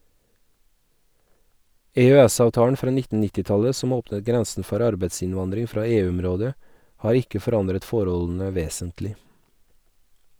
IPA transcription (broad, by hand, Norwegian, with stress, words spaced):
ɛœˈæsɑʋˌtɑːəɳ ˈfɾɑː ˈnɪtn̩ ˈnɪtɪ ˈtɑlə ˈsɔm ˈoːpnət ˈɡɾɛnsn̩ ˈfɔɾ ˈɑɾbeɪsɪnˌʋɑndɾɪŋ ˈfɾɑː ˈeːˌʉɔmˌɾoːdə ˈhɑːɾ ˈɪkə fɔˈɾɑndɾət ˈfɔɾɔln̩ə ˈʋeːsəntlɪ